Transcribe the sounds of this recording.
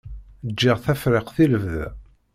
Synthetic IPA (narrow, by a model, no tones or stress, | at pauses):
d͡ʒːɪʁθæfɾɪqθiləvðæ